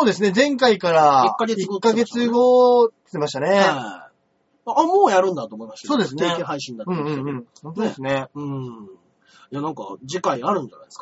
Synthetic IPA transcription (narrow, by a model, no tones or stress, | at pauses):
so̞ːd̪e̞sɨne̞zẽ̞ŋkaikaɾakːaɡeɨɡokːaɡe̞t͡sɨɡoe̥t̪e̞maɕi̥t̪ane̞a | moːjaɾɯ̟̃nd̪at̪oːmoimaɕi̥so̞ːd̪e̞sɨnekeɦaiɕĩnd̪at̪ɯ̟̃ɴɯ̟̃ɴɯ̟̃ɴhõnt̪o̞d̪e̞sɨneɯ̟̃ɴ | janãŋka̰d͡ʑikaiaɾɯ̟̃ɲd͡ʒana̰jd̪eskḁ